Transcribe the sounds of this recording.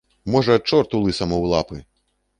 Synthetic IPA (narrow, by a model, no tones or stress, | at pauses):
mɔʐɐɐt͡ʂɔrt̪ulˠɨsɐmɔwlˠapɨ